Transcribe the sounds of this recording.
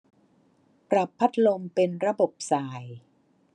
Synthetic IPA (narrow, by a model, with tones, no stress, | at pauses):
pɾa˨˩pʰːa˦˥t̪̚ʰlo˧mpe˧nɾa˧bo˨˩p̚saː˨˩j